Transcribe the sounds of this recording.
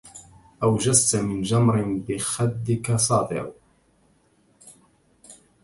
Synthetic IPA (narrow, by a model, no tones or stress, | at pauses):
ʔawd͡ʒazt̪amɪnd͡ʒamɾɪnbɪxad̪ːɪkasˤɑːt̪ˤɪ̰ɾ